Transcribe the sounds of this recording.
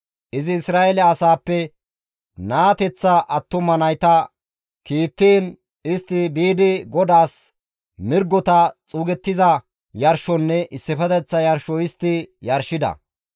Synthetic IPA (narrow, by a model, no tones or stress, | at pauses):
ʔɪzɪːsɾaːʔɛlɛɐsaːpːɛ | naːt̪ɛt͡sːɐʔɐt̪ːʊmɐnɐjt̪ɐ | kiːt̪ːiːn | ɪst̪ːɪbiːd̪ɪɡɔd̪aːs | mɪɾɡɔt̪ɐt͡sʼuːɡɛt̪ːɪzɐ | jɐɾʃɔnːɛʔɪsːɪfɛt̪ɛt͡sːɐjɐɾʃɔɪst̪ːɪjɐɾʃːɪd̪ɐ̰